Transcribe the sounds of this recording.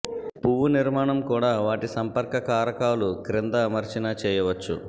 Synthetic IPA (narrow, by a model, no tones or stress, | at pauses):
puʋuniɾmaːɳɐmkuːɽaːʋaːʈisɐmpɐɾkɐkaːɾɐkaːlukɾɪnd̪ɐmɐɾt͡ʃinɐt͡ʃɛːjɐʋɐt͡ʃːṵ